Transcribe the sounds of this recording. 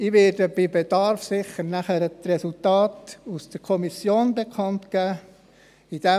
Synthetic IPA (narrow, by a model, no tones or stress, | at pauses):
iʋɪːɾdəb̥ibedɑɾfsɪχəɾnæχəɾətrɛsultɑːtusd̥əɾkʰɔmisjoːnbekʰɑntkæː | id̥ɛ